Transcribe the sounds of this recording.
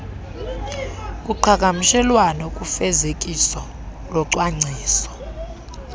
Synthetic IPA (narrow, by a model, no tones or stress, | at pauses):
k̬ʼuǃʰak̬amiʃɛlwanɔkʼufɛzek̬ʼisɔ | lɔǀwaŋ͡ǀʱiːsɔ̥